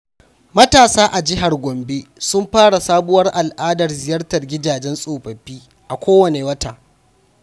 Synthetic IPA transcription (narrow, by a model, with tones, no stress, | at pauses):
mɐ˦taː˨saː˦ʔa˨d͡ʒɪ˦ɦa˨rɡʷɔ˨mbe˦sʊ˦mɸaː˦ɽa˨saː˦bʊ˦wɐ˦rʔa˨lʔaː˦dɐ˨rzɪ˨jɐ˦rtɐ˨rɡʲɪ˦daː˨d͡ʒɛ˦nsʼoː˨ɸɐ˨ɸːiː˦ | ʔa˨kʷoː˦wɐ˨ne˨wɐ˦ta̰ː˨